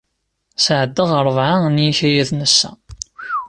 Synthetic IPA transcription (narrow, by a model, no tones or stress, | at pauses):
sʕəd̪ːəʁəɾˤəvʕanjiçæjæðnəsːæ̰